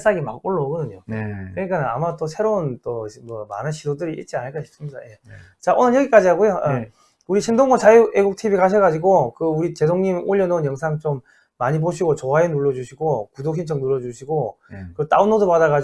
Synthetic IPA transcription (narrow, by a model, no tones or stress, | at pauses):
s͈aɡimak̚oɭːʌɦɡʌdɯɲokɯɲik͈anɯna̰mat͈osʰe̞ɾount͈omʌma̰nɯnɕʰidodɯɾiʔḭt̚t͡ɕ͈ianɯɭk͈aɕʰi̥p̚s͈ɯmɲida̰je | t͡ɕaʔonɯnjʌɡik͈ad͡ʑiɦaɡojoa | uɾiɕʰindoŋɡot͡ɕajueɡuk̚tʰibikaɕ̬ʰʌɡad͡ʑiɡokɯuɾit͡ɕe̞doŋɲimoʎːʌnonjʌŋsʰaŋt͡ɕomː | aɲiboɕʰiɡot͡ɕoɦaenuɭːʌd͡ʑuɕʰiɡokudokʰint͡ɕʰʌŋnuɭːʌd͡ʑuɕʰiɡokɯt͈a̰unodopadaɣa